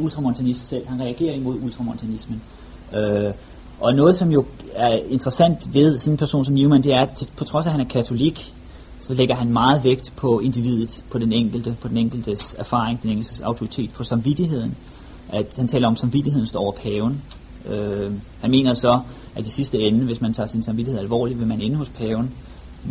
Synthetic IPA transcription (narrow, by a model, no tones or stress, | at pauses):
ult͡sʰʁɑ̈mo̝nt͡sʰænismsel̰hænʁɛæɡ̥e̝̰ːɐimo̝ð̞ˠult͡sʰʁɑ̈mont͡sʰænismən | ø | ʔɒ̽nɔ̽ːð̞̩ˠsɒ̽mjo̝æɐe̝nd̥ʁɐsæn̰d̥ʋe̝ð̞ˠsɒ̽nenpʰæɐso̝̰ːns̬ɒ̽mnuʊmænd̥e̝æɐt͡sʰe̝pʰɒ̽t͡sʰʁɒ̽sæhænæɐkʰæt͡sʰo̝liɡ̥ | sɒ̽leɡ̥ɐɦænmɑ̈ːð̞̩ˠʋeɡ̥̚d̥pʰɒ̽e̝nd̥iʋið̰ˠð̩ˠpʰɒ̽d̥eneŋ̰ɡ̥l̩d̥əpʰɒ̽d̥eneŋ̰ɡ̥l̩d̥əsæɐfɑ̈ːʁeŋd̥eneŋ̰̥l̩d̥əsɑ̈ʊt͡sʰo̝ʁi̥t͡sʰe̝̰ːd̥̚pʰɒ̽sɑ̈mʋid̥iɦe̝ð̞̰ˠn̩ | ʔæd̥hænt͡sʰɛ̰ːlɐɒ̽msɑ̈mʋid̥iɦe̝ð̰ˠn̩sd̥ɒ̰ːɒ̰ʊɐpʰɛːʊn | øhænme̝̰ːnɐsɒ̽ | ʔæd̥isisd̥əenəʋe̝smænt͡sʰɑ̰̈ːsinsɑ̈mʋid̥ie̝ðˠælʋɒ̰ːliʋe̝mæne̝nəho̽spʰɛːʊn